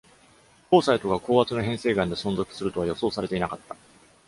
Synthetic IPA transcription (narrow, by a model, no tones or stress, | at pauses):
ko̞ːsait̪o̞ɡako̞ːβat͡sɨnoɦẽ̞ɰ̃se̞ːɡãnd̪e̞sõ̞ñzo̞kɯ̟̥sɨɾɯ̟t̪o̞βajo̞so̞ːsaɾe̞t̪e̞inakat̪ːa